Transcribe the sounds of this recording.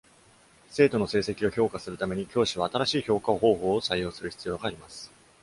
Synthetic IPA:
se̞ːt̪o̞no̞se̞ːse̞kʲio̞ço̞ːkasɨɾɯ̟t̪ame̞ɲ̟ikʲo̞ːɕiβ̞aːt̪aɾaɕiːço̞ːkaoho̞ːho̞ːsajːo̞ːsɨɾɯ̟çi̥t͡sɨjo̞ːɡaːɾʲimasɨ̥

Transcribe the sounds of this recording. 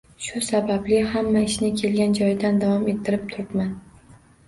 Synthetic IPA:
ʃʊsabablɪhamːaɪʃnɪkʲʰe̞lɡʲand͡ʒɒjd̪and̪avɒme̞t̪ʰːɪɾɪp̚t̪ʰʊɾɪp̪man

